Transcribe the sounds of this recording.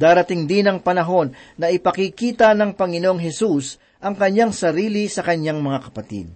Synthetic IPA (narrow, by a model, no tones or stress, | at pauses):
d̪aːɾɐt̪ɪŋd̪ɪnɐŋpɐnɐɦo̞nːɐʔɪpɐkikiːt̪ɐnɐŋpɐŋɪnoŋɦɛsus | ʔɐŋkɐɲːaŋsɐɾiːlisɐkɐɲaŋmɐŋakɐpɐt̪ḭd̪̚